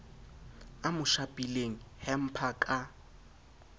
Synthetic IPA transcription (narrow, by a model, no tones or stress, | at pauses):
amʊʃapʼileŋ̩hɛm̩pʰakʼa